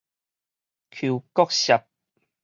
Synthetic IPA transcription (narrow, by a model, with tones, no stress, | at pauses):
kʰu˨˩kɔ˥˦k̚ɕa˨p̚